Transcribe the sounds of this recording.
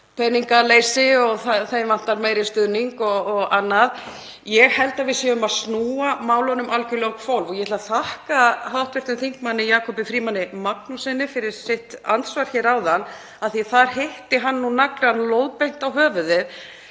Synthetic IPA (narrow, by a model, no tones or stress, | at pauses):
pʰɛnːiŋkaleːjsɪɔɣθaθejmvan̥t̪aɾmeːjɾɪst̪ʏðniŋkɔɣɔɣanːað | jɛɣhɛlt̪avɪðsjɛʏmaðsnuːamaːwlɔnʏmʔalcʏlowŋkfowlvɔɣjɛht̪lvaθahkaɦawht̪vɪr̥t̪ʏmθiŋ̥kmanːɪjaːkʰɔpɪfɾiːmanːɪmaknusɛnɪfɪɾɪɾ̥sɪht̪ant̪svaɾ̥çɛɾaːwðanː | aðθiθaɾ̥heht̪ɪɦanːunakɾanlowðpejn̥t̪awɦœːvʏðɪð